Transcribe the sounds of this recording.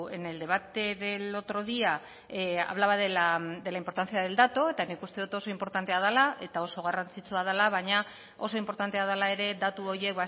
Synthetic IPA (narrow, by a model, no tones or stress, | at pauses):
ene̞ld̪e̞β̞at̪e̞ðe̞lo̞t̪ɾo̞ðia | a̰β̞laβaðelad̪e̞laimpoɾt̪anθiaðe̞ld̪at̪o̞e̞t̪anikust̪e̞ðut̪o̞so̞impo̞ɾt̪ant̪e̞að̞alaʔe̞t̪ao̞so̞ɣ̞arant͡sit͡suað̞alaβaɲa | o̞so̞impo̞ɾt̪ant̪e̞að̞alae̞ɾe̞d̪at̪uo̞ɾje̞kβa